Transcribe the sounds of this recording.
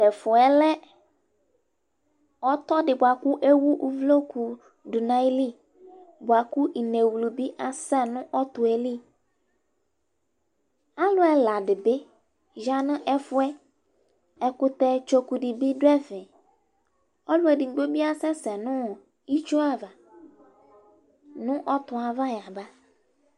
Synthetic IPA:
dɛ˨fʊ˨ɛ˨lɛ˦ | ɔ˦t̪ɔ˦dɪ˨bʊ˨a˨kʊ˦ʔe˦wu˦ʔu˦vlo˦ku˨ | du˨nã˨˦li˦˨ | bʊ˨a˨ku˦i˨ne˨wlu˨bi˦ʔa˨sɛ˦nʊ̃˦ʔɔ˦t̪ʊ˨ɛ˦li˦ | a˦lʊ˦ɛ˨la˨dɪ˨be˦ | ʒa˦nʊ̃˦ʔɛ˦fʊ˦ɛ˦ | ɛ˨kʊ˦t̪ɛ˦t͡ʃo˨ku˨dɪ˨bi˦dʊ˦ɛ˦fɪ̃˨ | ɔ˦lʊ˦ɛ˨dɪ˨ŋ̩˦ɡ͡bo˦bi˦a˦sɛ˦sɛ˨nʊ̃˦˨ | i˦t͡ʃu˦a˦va˨ | nʊ̃˦ʔɔ˦t̪ʊ˨a˨va˦ja˨ba˦

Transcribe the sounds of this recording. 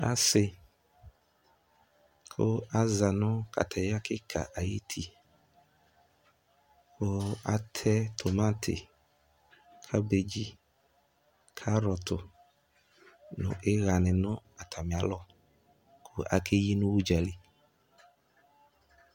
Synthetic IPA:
a̰˦sɪ˨ | kʰʊ˦a˦za˨nʊ̃˦kʰa̰˨tʰa˨ja˦kʰɪ˦kʰa̰˨ʔa˨ji˦tʰi˦ | kʰʊ˦a˦tʰɛ˦t̪ʰo˨mã˦tʰɪ̰˨ | kʰa˦be˨d͡ʒi˦ | kʰa˦ɾɔ˨tʰʊ˨ | nʊ̰̃˨ʔe˦ɣa˨nɪ̃˨nʊ̃˦a˨t̪ʰa˨mɪ̃˨a˨˦lɔ˦ | kʰʊ˦ʔa̰˨kʰe˦ji˦nʊ̃˦wu˦d͡ʒa˨li˨

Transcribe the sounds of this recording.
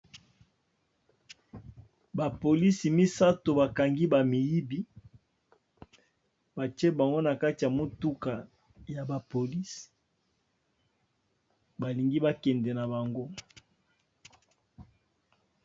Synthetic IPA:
ba˨po˨li˦si˨mi˦sa˦to˨ba˨ka˨ŋɡi˦ba˨mi˨ji˦bi˦ | ba˨t͡ʃɛ˦ba˨ŋɡo˦na˨ka˦ti˨ja˨mo˨tu˦ka˨ | ja˨ba˨po˨li˦si̥˨ | ba˨li˨ŋɡi˦ba˦kɛ˨ndɛ˨na˨ba˨ŋɡo˦

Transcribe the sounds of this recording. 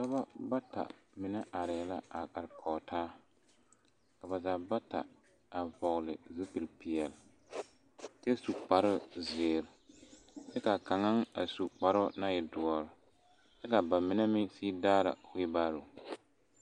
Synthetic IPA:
sa˦ba˦ba˦ta̰˨mɪ˨nɛ˦ʔa˨ɾɪ˨ɛ˨la˦a˨ka˨ɾkʰɔː˨tʰaː˦ | ka˨ba˨zaː˨ba˦ta̰˨ | a˨vɔ˨ɣlɪ˨zu˦pi˨lpɪ˨jɛ˨l | tɪ˦a˦su˨k͡pa˨ɾʊ˦zɪː˨ɾ | t͡ʃɛ˦ka˨ka˨ŋa˦ŋa˨su˨k͡pa˨ɾʊ˦na˦jɪ˨dʊ˨ɔ˨ɾɪ˨ | t͡ʃɛ˦ka˨ba˨mɪ˨nɛ˦mɪ˦siː˦daː˦ɾa̰˨wɪ˦ba˦ɾʊ˨

